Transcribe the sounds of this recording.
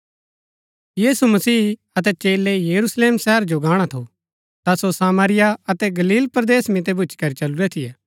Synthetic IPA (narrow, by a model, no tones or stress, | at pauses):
jiːsumɐsiː | ɐt̪̬ɛt͡ʃeːlɛjɐɾusleːmsɛɦəɾd͡ʒoɡaːɽ̃at̪ʰo | t̪asosaːmaːɾɪjaɐt̪ɛɡɐliːlpɾd̪eːsmɪ̃t̪̬ebʱʊt͡ʃkɐɾit͡ʃɐluɾɛt̪ʰɪjɛː